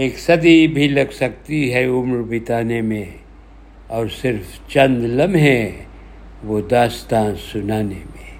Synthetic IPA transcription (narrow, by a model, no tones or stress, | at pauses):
eːksɐd̪ibʱilɐɡsɐk̚t̪iɦɛʊmɾbʱɪt̪aːnemẽ | ɔːɾsɪɾft͡ʃɐ̃nd̪lɐmɦɛ̃ | ʋod̪aːst̪ãːnsʊnaːnemẽː